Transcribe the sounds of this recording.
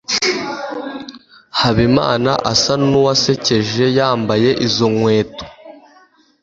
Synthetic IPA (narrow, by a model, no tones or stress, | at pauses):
haβima̰ːnaʔasanuwase̞ce̞ʒe̞jaːmbaje̞ʔizo̞ŋwe̞ːto̥